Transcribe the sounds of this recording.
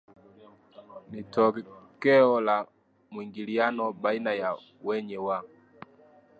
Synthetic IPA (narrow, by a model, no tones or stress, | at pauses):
nitɔkkɛɔla | mwiŋɡilianɔbainaja | wɛɲɛwa